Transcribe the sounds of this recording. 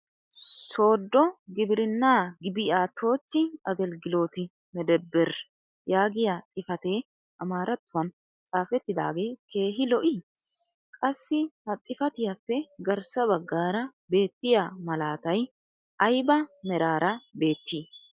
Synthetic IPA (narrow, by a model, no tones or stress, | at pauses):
so̞ːd̪ːɔɡɪbɪɾɪnːaːɡɪbɪjaːt̪ʰo̞ːt͡ʃːɪɐɡɛlɡɪlo̞ːt̪ɪ | mɛd̪ɛbːɛɾ | jaːɡɪjat̪ʼɪfɐt̪e̞ː | ʔɐmaːɾɐt̪ːʊwɐn | t͡sʼaːfɛt̪ːɪd̪a̰ːɡe̞ːke̞ːɦɪlɔʔiː | kʼɐsːɪhɐt̪ʼɪfɐt̪ɪjɐpːɛɡɐɾsɐβɐɡːaːɾɐbe̞ːt̪ːɪjaːmɐlaːt̪ɐj | ʔɐjbɐmɛɾaːɾɐbe̞ːt̪ːiː